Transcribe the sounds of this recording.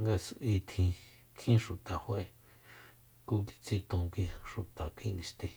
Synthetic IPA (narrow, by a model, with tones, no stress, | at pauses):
ŋɡa˧sʔi˧t̪ʰĩ˧ | kʰĩ˦ʃu˨t̪a˨hwe˧ | ku˧ki̥˧t͡si˧t̪õ˧˨kʷi˧ʃu˨t̪a˨kʷi˧nĩ˧ʃt̪ẽ˧